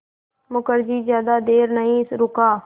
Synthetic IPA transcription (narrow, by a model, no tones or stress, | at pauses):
mʊkəɾd͡ʒiːzjaːd̪aːd̪eːɾnəɦĩːɪsɾʊkaː